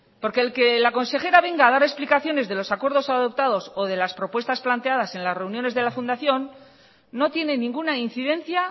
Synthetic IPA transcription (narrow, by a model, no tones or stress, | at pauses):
po̞ɾke̞ːlke̞lako̞nse̞xe̞ɾaβe̞ŋɡaːðaɾe̞splikaθjo̞ne̞zðe̞lo̞sakwe̞ɾðo̞saðo̞p̚t̪að̞o̞so̞ðe̞laspɾo̞pwe̞st̪asplant̪e̞að̞ase̞nlasre̞unjo̞ne̞zðe̞lafund̪aθjo̞nː | o̞t̪jene̞nĩŋɡunainθiðe̞nθja